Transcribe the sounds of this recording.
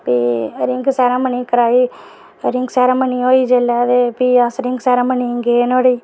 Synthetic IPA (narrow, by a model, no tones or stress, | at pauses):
piːɾɪŋɡsɛːɾãːməniːkəɾaːiː | ɾɪŋɡsɛːɾaːməniːoːiːd͡ʒeːlɛːd̪epiːəsɾɪ̃ŋɡsɛːɾãːməniːŋɡeːnoːɽiː